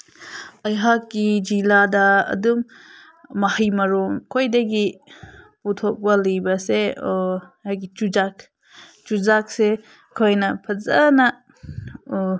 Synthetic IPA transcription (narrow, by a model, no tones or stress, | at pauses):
ajɦakːid͡ʒiladɐɐ̰dumː | ahijmɐɾumkʰojdɐɡi | putʰɔk̚bɐlijbɐse | hajɡit͡ʃud͡ʒak | t͡ʃuzak̚se | kʰojnɐpʰɐzɐnɐ